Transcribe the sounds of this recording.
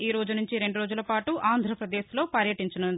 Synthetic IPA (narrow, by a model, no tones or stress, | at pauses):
iːɾo̞ːd͡ʒunuɲt͡ʃiɾe̞ɳɖuɾoːd͡ʒulɐpaːʈuʔaːnd̪ʱɾɐpɾɐd̪e̞ːslo̞ːpɐɾjɐʈiɲt͡ʃɐnund̪i